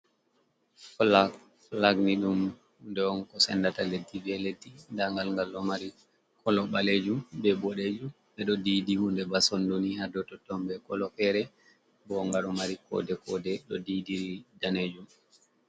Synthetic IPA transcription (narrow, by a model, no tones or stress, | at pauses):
kɔla | laɡniɗumhndɛwɔnkɔsɛ̰nːdataledːiviɛledːindaŋɡalŋɡalɔmaɾi | kʰɔlɔɓaled͡ʒumbɛbɔɗed͡ʒum | ɓɛɗɔdiːdihundɛbasondunihadɔtɔtːɔmbɛkɔlɔfɛɾɛ | bɔŋɡalɔmaɾikʰɔ̰dɛkɔdɛɗɔdidiɾidaned͡ʒum